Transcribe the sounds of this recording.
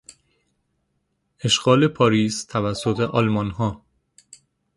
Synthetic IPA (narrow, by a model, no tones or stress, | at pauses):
e̞ʃɡ̥ɒːle̞pʰɒːɾiːst̪ʰævæsːot̪ʰe̞ʔɒːlmɒnɦɒː